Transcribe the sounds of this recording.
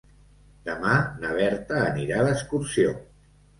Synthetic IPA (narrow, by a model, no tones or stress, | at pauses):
d̪əmanəβ̞ɛɾt̪əːniɾaləskuɾsio